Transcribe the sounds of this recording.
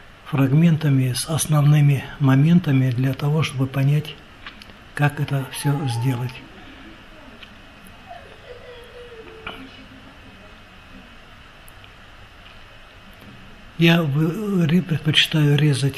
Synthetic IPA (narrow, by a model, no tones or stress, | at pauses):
frɐɡmʲe̞nt̪əmʲɪsɐsnɐvnɨmʲɪmɐmʲe̞nt̪əmʲɪd̪lʲat̪ɐvo̞ʂt̪obɨpɐnʲætʲ | kakɛt̪əfsʲɵzʲdʲe̞lˠətʲ | javɨɾʲpɾʲɪt̪̚pət͡ɕɪ̥t̪ajʊɾʲe̞zətʲ